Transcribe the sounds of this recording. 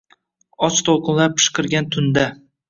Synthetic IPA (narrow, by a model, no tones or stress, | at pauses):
ɒt͡ʃt̪ʰoqɨnlaɾpʰɨ̥ʃqʰɨɾɡʲant̪ʰʊnd̪a